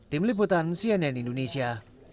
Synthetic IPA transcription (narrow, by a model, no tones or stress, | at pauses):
t̪imlip̬ut̪ansiɛnɛnindonesia